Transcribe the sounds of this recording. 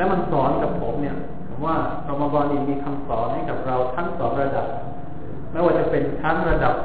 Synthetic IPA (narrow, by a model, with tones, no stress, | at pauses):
lɛ˦˥wma˧nsɔː˩˦nka˨˩pʰːo˩˦mni˥˩ɐ | pʰo˩˦mwaː˥˩ | ɾa˧maː˧bɔː˧nːi˧˩miː˧kʰa˧msɔː˩˦nha˥˩jka˨˩p̚ɾa˧wt̪ʰa˦˥ŋsɔː˩˦nɾa˧da˨˩p̚ | ma˥˩jwaː˥˩t͡ɕa˨˩pe˧nt̪ʰa˦˥ŋɾa˧da˨˩p̚